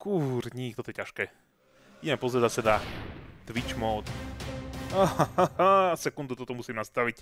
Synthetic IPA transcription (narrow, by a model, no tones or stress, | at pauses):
kuɾɲikt̪ɔt̪ɔjɛcaʃkɛː | iɟɛmɛpɔzɾɛzasɛd̪at̪ʋit͡ʃmɔːt̪ | aasɛkund̪ut̪ɔt̪ɔmusiːmnast̪aʋic